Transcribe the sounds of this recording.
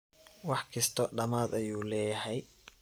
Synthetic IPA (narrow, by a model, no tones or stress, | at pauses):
wɑħkʰɐst̪ʰɔɖɐmaːd̪ɐjuːlɛːjɐhɛj